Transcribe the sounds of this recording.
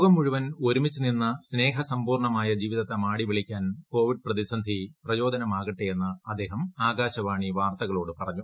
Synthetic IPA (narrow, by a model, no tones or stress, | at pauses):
ɡɐmːuɻuʋɐno̞ɾumit͡ɕːɨninːɐsne̞ːɦɐsɐmpuːrɳɐmaːjɐd͡ʑiːʋiðɐt̪ːɐmaːɽiʋiɭikʲːaːnko̞ːʋiɖɨprɐðisɐnd̪ʱiprɐjo̞ːd̪ʱɐnɐmaːɣiʈːejenːɐɐd̪ːe̞ːɦɐmaːɡaːɕɐʋaːɳiʋaːrt̪ɐɣɐɭo̞ːɽɨpɐrɐɲːu